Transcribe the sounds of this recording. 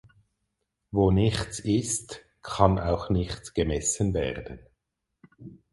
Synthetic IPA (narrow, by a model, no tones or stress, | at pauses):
voːnɪçt͡sɪst | kʰana̰ʊxnɪxt͡sɡ̥əmɛsənvɛːʁd̥ən